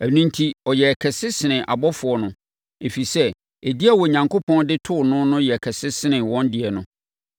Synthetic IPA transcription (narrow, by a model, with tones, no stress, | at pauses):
æ˨nũ˦ntʰi˦ɔ˨jɛ˨æ˨kʰɛ˨sɪ˦sɪ˨nɪ̃˨ʔa˨bɔ˦fʊ˨ɔ˦nʊ̃˦ | e˨fi˨sɛ˦ | e˨di˦a˨wɔ˨ɲã˨ŋko˦pʰɔ̃˦ndɪ˦tʰʊ˦˨nʊ̃˦nʊ̃˦jɛ˨kʰɛ˨sɪ˦sɪ˦nɪ̃˨wɔ̃˦ndɪ˨ɛ˨nʊ̰̃˦